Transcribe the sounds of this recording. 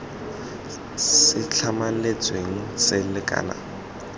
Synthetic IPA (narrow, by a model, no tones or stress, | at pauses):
sɪt͡ɬʰamalet͡sʼweŋ̩sɪlɪkʼa̰ːna̰